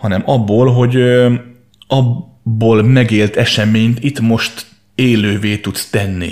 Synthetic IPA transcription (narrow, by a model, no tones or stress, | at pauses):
hɒnɛmɒbːoːlɦo̞ɟ | ɒ | bːoːlmɛɡeːlt̪ɛʃɛmeːɲt̪it̪mo̞ʃt̪ | eːløːveːt̪ut̪st̪ɛnːḭ